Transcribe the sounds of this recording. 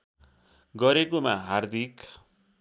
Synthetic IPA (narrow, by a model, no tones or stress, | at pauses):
ɡʌɾekomaɦard̪ʱik